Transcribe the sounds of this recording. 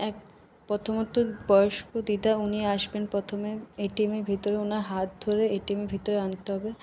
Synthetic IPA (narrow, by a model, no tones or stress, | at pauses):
ɛk̚ | pɾot̪ʰomot̪obɔjoʃkod̪id̪auniaʃbenpɾɔt̪ʰomeeʈimeɾbʱit̪oɾeonaɾɦat̪̚d̪ʱoɾeeʈimeɾbʱit̪oɾeant̪eɦɔbe